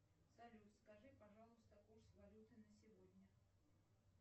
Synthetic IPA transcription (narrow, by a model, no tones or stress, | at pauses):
sɐlʲuskɐʐɨpɐʐalˠʊst̪əkursvɐlʲut̪ɨnəsʲɪvodʲnʲə